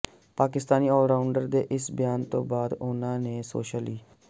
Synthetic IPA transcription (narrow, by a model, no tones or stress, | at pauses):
paːkɪst̪aːniːɔːlɖaːʊɳɖəɾd̪eːʔɪsbɪjaːnt̪õ̰ːbaːd̪ʊnãːneːso̰ːʃəliː